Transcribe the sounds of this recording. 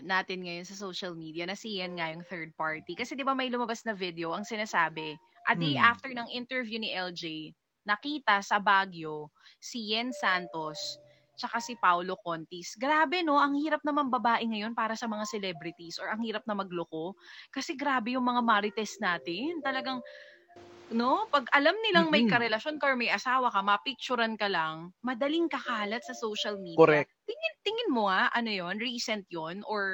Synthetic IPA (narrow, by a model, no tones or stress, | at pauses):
naːt̪ɪnŋɐjo̞nsɐsowʃɐlmiːd̪iɐnɐsijɛnŋajʊŋθɛɹd̪̚paɹt̪ikɐsɛd̪ɪbamɐjlʊmɐbasnɐvid̪ɛoʔɐŋsɪnaːsaːbɛ | ʔɐd̪ejʔaft̪ɛɹnɐŋʔɪnt̪ɛɹvjuniʔɛld͡ʒej | nɐkiːt̪ɐsɐbaːɡjo̞ːijɛnsant̪o̞s | t͡ʃɐkasɪpawlokont̪isɡɾaːbɛno̞ʔɐŋhiːɾɐp̚nɐmaŋbɐbaːʔɪŋɐjo̞npaːɾɐsɐmɐŋasɛlɛbɾɪt̪isʔoɹɐŋhiːɾɐp̚nɐmɐɡloko̞kɐsɛɡɾaːbɛjʊŋmɐŋamaɾɪt̪ɛst̪̚naːt̪ɪnt̪ɐlɐɡaŋ | no̞pɐɡʔɐlamnɪlaŋmɐjkɐɾɛlɐʃo̞nkɐoɹmɐjʔɐsaːwɐkɐmɐpik̚t͡ʃʊɾɐnkɐlɐŋmɐd̪ɐliŋkɐkaːlɐt̪̚sɐsowʃɐlmiːdoɾɛ | t̪ɪŋɪnt̪ɪŋɪnmoaʔɐnojo̞nɹiːsɛnt̪̚jonʔoɹ